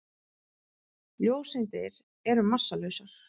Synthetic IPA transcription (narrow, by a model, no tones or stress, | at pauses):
ljoːwsɪnt̪ɪ̰ɾ | ɛɾʏmasːalœɥsaɾ̥